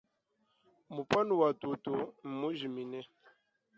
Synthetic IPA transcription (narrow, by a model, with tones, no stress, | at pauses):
mu˨pɔ˦nu˨wa˨tu˨to˨m̩˨mu˦ʒi˨mi˨nɛ˦